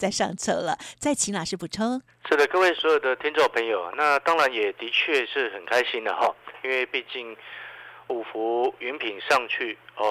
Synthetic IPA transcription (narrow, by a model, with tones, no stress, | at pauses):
t͡sa˥˧ɪʂɑ̰˥˧ŋt͡sʰɤ˥˩lə̰˨˦t͡sa˥˩ɪt͡ɕʰi˧˥ŋla˨˩ʂɻ̩˥˩pu˨˩ʈ͡ʂʰɤ˥ŋ | ʂɻ̩˥˩d̪ə˩kɤ˥˧we˥˩ɪswɔ˧˥jo˨˩d̪ə˦t̪ʰi˥ŋʈ͡ʂo˥˩ŋpʰə˧˥ŋjo˨˩ʊna˥˩t̪ɑ˥ŋɻa˧˥njɛ˨˩t̪i˧˥t͡ɕʰɥɛ˥˧ʂɻ̩˥˩xə˨˩nkʰa˥ɪɕi˥nd̪ə˨xɔ˥˩i˥nwe˥˧ɪpi˥˧t͡ɕi˥˩ŋ | u˨˩fu˧˥y˧˥npʰi˨˩nʂɑ˥˧ŋt͡ɕʰy˥˩ɔ˥˧